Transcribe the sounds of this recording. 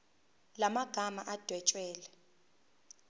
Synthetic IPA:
lamaɡ̥ʱamaʔad̥ʱwɛt͡ʃʼwɛːlɛ

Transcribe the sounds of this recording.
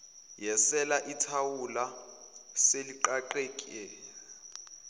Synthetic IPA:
jɛsɛlaʔitʰawula | seliǃaǃeːkʼɛ

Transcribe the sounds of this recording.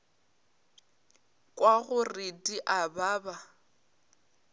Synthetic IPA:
kʼwaɣʊrɪdiʔabaːba

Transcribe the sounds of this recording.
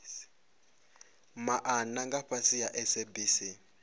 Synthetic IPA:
maʔanaŋɡaɸasijaʔɛsebisi

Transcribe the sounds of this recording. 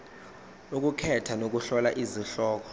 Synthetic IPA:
uk̬ukʰɛtʰanok̬uɬɔlaʔiziɬɔːk̬ɔ̥

